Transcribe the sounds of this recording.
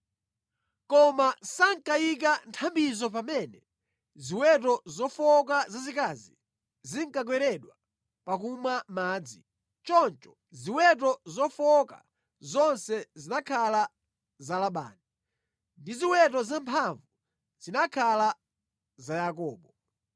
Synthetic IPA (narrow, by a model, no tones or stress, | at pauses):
kɔmasaŋkajik̬antʰambizɔp̬amɛnɛ | ziwɛt̬ɔzɔfɔkazazikazi | ziŋkak̬wɛɾɛɗwa | pak̬umamaːd͡zi | t͡ʃɔnt͡ʃɔ̥ | ziwɛtɔzɔfɔka̰ | zɔnsɛzinakʰala | zalaɓa̰ːni | ndiziwɛt̬ɔzampʰaɱvu | z̥inakʰala | zajak̬ɔːɓɔ